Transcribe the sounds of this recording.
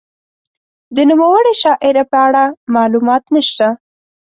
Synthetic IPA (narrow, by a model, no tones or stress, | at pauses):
d̪ənumawəɽiʃɑʔɪɾapəaɽamɑlumɑt̪nəʃt̪a